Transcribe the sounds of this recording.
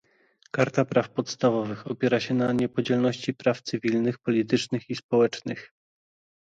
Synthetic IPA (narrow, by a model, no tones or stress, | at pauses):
kaɾt̪apɾafpɔt̪st̪avɔvɘxɔpʲjɛɾaɕɛnaɲɛpɔd͡ʑɛlnɔɕt͡ɕipɾaft̪sɘvʲilnɘxpɔlʲit̪ɘt͡ʂnɘxispɔwɛt͡ʂnɘx